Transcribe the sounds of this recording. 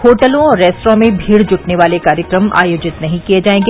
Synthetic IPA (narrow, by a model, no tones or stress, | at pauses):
hoːʈəlõɔːɾːɛːsʈɾõmẽbʱiːɽd͡ʒʊʈneʋaːlekaːɾjəkɾəma̰ːjoːd͡ʒɪt̪nɐɦĩkijed͡ʒaːẽːŋɡe